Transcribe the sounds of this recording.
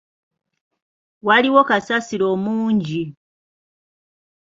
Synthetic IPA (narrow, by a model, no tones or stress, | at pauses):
waliwo̞kasasiɾo̞ːmuːɲɟi